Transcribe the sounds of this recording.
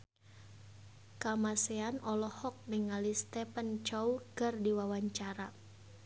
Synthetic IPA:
kamaseanɔlɔhɔk̚niŋalist̪ɛpənt͡ʃɔwkərdiwawaɲt͡ʃaɾa

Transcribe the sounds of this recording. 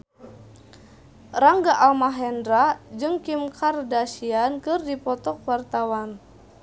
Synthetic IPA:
raŋɡaʔalmaɦɛndɾad͡ʒɨŋkimkʰardasiankɨrdipɔt̪ɔk̚wart̪awan

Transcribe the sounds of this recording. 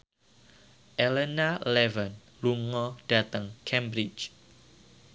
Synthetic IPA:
ʔɛlɛnalɛvən | luŋɔd̥at̪əŋkʰɛmbɾɪt͡ʃ

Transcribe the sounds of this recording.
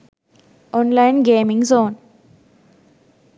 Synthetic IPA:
ɔ̃ːnlaɪnɡẽːmɪ̃ŋzoːn

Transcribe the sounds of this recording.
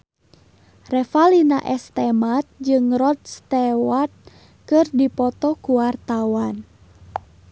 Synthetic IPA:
rɛfalina̰ʔɛst̪ɛmat̪̚d͡ʒɨŋrɔt̪̚st̪ɛwat̪̚ | kɨrdipɔt̪ɔkuwart̪awan

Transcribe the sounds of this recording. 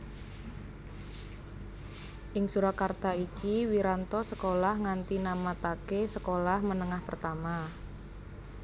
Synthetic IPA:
ʔɪŋsuɾakart̪aikiwiɾant̪ɔsəkolahŋant̪inamat̪akesəkolahmənəŋahpərt̪ama

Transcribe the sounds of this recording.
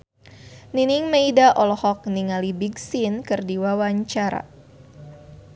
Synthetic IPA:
niniŋmejdaʔɔlɔhɔk̚niŋalibiɡsinkɨrdiwawaɲt͡ʃaɾa̰

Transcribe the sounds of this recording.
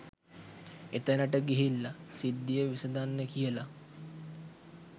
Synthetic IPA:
et̪ənəʈəɡiɦilːasid̪ːijəʋisəd̪anːəkijəla

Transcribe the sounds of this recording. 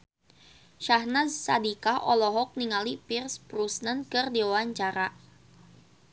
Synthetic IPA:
ʃahnazsadikaʔɔlɔɦɔk̚niŋalipirspɾusnənkɨrdiawaɲt͡ʃaɾa

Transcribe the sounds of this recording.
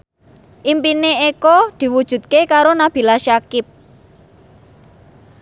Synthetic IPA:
ʔimpineekɔd̪̥i̤wud̥ʒ̥ṳt̪̚kekaɾonab̥i̤laʃakɪp̚

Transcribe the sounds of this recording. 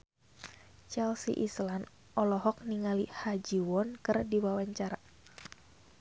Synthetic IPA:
t͡ʃɛlsḭʔislan | ʔɔlɔɦɔk̚niŋalihad͡ʒiwɔnkɨrdiwawaɲt͡ʃaɾa

